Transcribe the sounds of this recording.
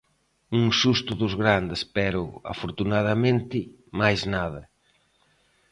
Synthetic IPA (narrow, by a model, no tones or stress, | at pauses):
uŋsust̪ʊðʊzɣɾand̪espɛɾʊa̰foɾt̪unaðamẽnt̪ɪ | majznað̞ɐ